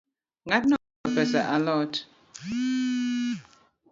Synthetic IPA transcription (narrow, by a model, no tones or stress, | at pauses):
ŋatnɔ | ɔfɛsaʔalɔt